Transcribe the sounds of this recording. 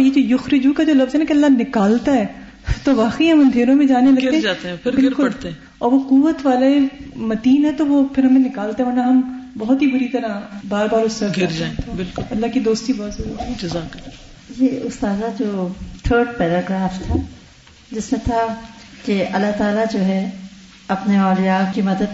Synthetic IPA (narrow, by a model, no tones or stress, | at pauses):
ɔːɾjed͡ʒoːjʊxɾɪd͡ʒukad͡ʒoːlɐfzɦɛnakeɐlːanɪkaːlt̪aɦɛː | t̪oʋaːqeiɦɐ̃mɐ̃nd̪ʱeːɾõmẽd͡ʒaːnelɐɾeɛ̃aːt̪eɛ̃pʰɪɾbɪlkʊt̪ẽ | ɔːɾʋoquʋət̪ʋaːlaemɐt̪iːnɦɛt̪oʋopʰɪɾɦɐmẽnɪkaːlt̪aɦɛ̃mɐɾnaɦɐmbɐɦɔt̪ɦibʊɽit̪ɐɾabaːɾbaːɾʊsɐɡɪɾd͡ʒãẽt̪ʰebɪlkʊɐlːakid̪oːst̪ibɔːt̪zɐɾuːt̪ɐzaːkɐ | jeʊst̪aːzad͡ʒoːt̪ʰəːɾɖpɛːɾaːɡɾaːft̪ʰa | d͡ʒɪsmẽt̪ʰa | keʔɐlːat̪aːlad͡ʒoːɦɛ | ɐpneɔːljaːkimɐd̪əd̪̚